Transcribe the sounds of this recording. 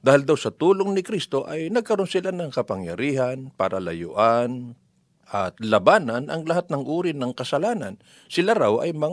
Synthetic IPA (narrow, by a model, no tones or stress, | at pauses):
d̪aːhɪld̪awsɐt̪uːloŋnɪkɾist̪o̞ʔɐjnɐɡ̚kɐɾo̞nsɪlanɐŋkɐpɐŋjɐ̰ɾiːhɐnpɐɾʔɐlɐ̰jʊ̰ʔan | ʔɐt̪̚lɐbaːnɐnʔɐŋlɐɦat̪̚nɐŋʔuːɾɪnɐŋkɐsɐlaːnɐ̰n | sɪlaɾawʔɐ̰jmɐ